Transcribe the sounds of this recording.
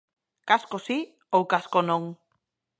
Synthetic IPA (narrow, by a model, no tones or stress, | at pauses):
kaskosi | owkaskonõŋ